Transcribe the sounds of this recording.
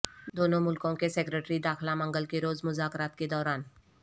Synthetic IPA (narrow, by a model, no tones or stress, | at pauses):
d̪oːnõmʊlkõkeseːkɾeʈɾid̪aːxlamɐ̃ŋɡəlkeɾoːzmʊzaːkɾaːt̪ked̪ɔːɾaːn